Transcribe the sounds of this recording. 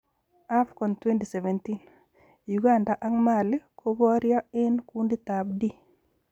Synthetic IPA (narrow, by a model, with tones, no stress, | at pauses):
a˦fkɔ˨ntwe˦nti˨sɛ˨vɛ˨ntin | juɡa˦nda˨ʔa˦ŋma˨lkʰo˦bɔ˦ɾjɔ˦ɛ˦nkundi˦t̪a˨bdi˦